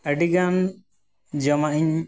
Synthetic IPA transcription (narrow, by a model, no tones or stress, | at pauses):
əɖiɡan | d͡ʒɔmaʔiɲ